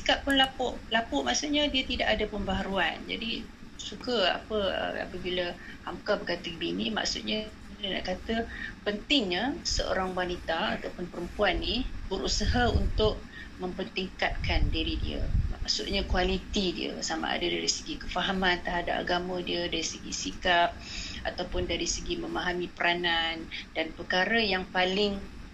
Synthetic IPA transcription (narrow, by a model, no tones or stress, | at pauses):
si̥kaʔ̚pʊnlapʊʔlapʊʔmaʔsut̪̚ɲadiət̪idaʔadəpəmbaɦaɾuand͡ʒa̰di | sukəa̰pəə̰a̰pəbilə | hamkabəkat̪əɡəbinima̰ʔksut̪̚ɲa | dəna̰ʔkat̪əpənt̪ɪŋɲəsə̰o̰ɾaŋwanit̪aat̪awpʊnpəɾəmpuanːibəɾusaɦaunt̪ʊʔ̚ | mə̃mpənt̪iŋkat̪̚kandiɾidḭə̰ma̰ʔsut̪̚ɲakualit̪idḭə̰sama̰a̰dədaɾisəɡikəfaɦamant̪əɦada̰p̚a̰ɡamə̃diədaɾisəɡḭsikap̚a̰t̪awpʊndaɾisəɡimə̃maɦamipəɾʔanandanpəkaɾəjaŋpalɪŋ